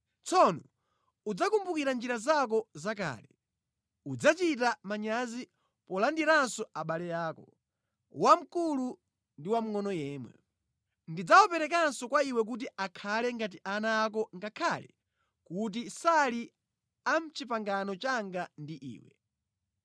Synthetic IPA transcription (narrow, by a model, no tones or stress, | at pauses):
t͡sɔnɔ | ud͡zakumbukiɾand͡ʒiɾazak̬ɔzaka̰ːlɛ | ud͡zat͡ʃitamaɲazi | pɔlandiɾansɔaɓalɛjaːkɔ | wam̩kulu | ndiwam̩ŋɔnɔjɛːmwɛ̰ | ndid͡zawɔpɛɾɛkansɔkwaiwɛk̬ut̬iakʰalɛŋɡat̬iʔanaːk̬ɔŋɡakʰalɛ̰ | kut̬isali | am̩t͡ʃipaŋɡanɔt͡ʃaŋɡandiʔḭːwɛ̰